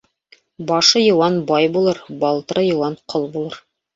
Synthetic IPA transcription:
bɑʃɤjɤ̆wɑnbɑjbulˠɤɾbɑlˠt̪ɤɾɤjɤ̆wɑnqʰolˠbulˠɤɾ

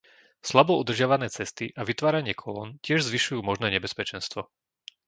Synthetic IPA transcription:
slabɔud̪r̩ʒɪaʋanɛːt͡sɛst̪iʔaʋit̪ʋaːɾaɲɪɛkʰɔlɔ̰ːncɪɛʒzʋiʃujuːmɔʒnɛːɲɛbɛspɛt͡ʃɛnst̪ʋɔ

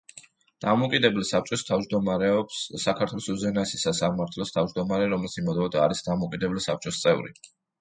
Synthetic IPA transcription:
d̪̥amɔukʼid̪ɛbɛlsap̚t͡ʃʼɔst̪ʰavd͡ʒd̪ɔmaɾɛɔpsːakʰaɾt̪ʰwɛlˠɔsuzɛnaɛsisasamaɾt̪ʰlɔst̪ʰavd͡ʒd̪ɔmaɾɛɾɔmɛlsimɔd̪ɔd̪aːɾisd̪amɔukʼid̪ɛbɛlisap̚ʰt͡ʃʼɔst̪sʼɛvɾḭ

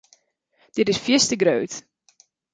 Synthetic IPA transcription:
d̥ɪtɪsfjɪstəɡɾøɥt

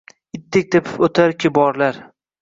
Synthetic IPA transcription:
ɪt̪ʰːɪk̚ʲt̪ʰepʰɪ̥pɵt̪ʰaɾkʲɪbɒɾlaɾ

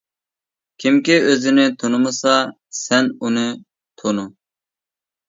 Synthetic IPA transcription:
kʲʰimkʲiøzɪnɪt̪ʰonɨmɨsɑ | sɛnunɨ | t̪ʰonu

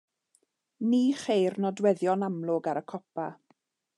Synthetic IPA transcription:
niːχejrnɔdwɛðjɔnamlˠʊɡaɾəkʰɔpa

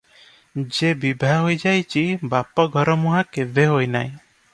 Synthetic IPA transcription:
d͡ʒebibʱaɦojd͡ʒajt͡ʃibapɔɡʱɔɾɔmuɦakebʱeɦojnaj

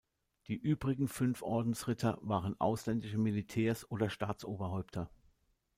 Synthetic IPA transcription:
d̥iːʔyːbʁɪɡŋ̩fʏnfʔɔɐdn̩sʁɪtʰɐvaːʁənʔa̰ʊslɛndɪʃəmilitʰɛːɐsʔoːdɐʃtaːt͡sʔoːbɐɦɔʏptʰɐ

